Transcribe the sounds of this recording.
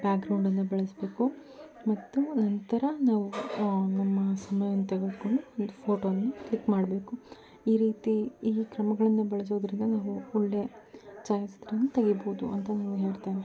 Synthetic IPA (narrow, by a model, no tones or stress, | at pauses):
baːk̚ɡɾɐwɳɖɐnːubɛɭɐsbe̞ːku | mɐt̪ːunɐnt̪ɐɾɐnaːʋunɐmːɐsɐmɐjɐnːut̪eɡɐd̪koɳɖuond̪upʰoːʈoːɐnːɐklikːmaːɽbe̞ːku | iːɾiːt̪iiːkɾɐmɐɡɐɭɐnːɐbɛɭɐs̬o̞ːd̪ɾind̪ɐnaːʋuɔɭːe̞t͡ʃaːjɐsd̪ɐɾɐnːut̪ɐɡiboud̪ṵɐnt̪ɐnaːʋuɦe̞ːɽt̪eːne